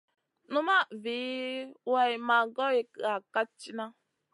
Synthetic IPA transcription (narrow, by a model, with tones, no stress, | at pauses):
nu˦ma˦vi˨˦wa˦i˨ma˨ɡɔ˦i˦ka˨ka˦t͡ʃi˦na˦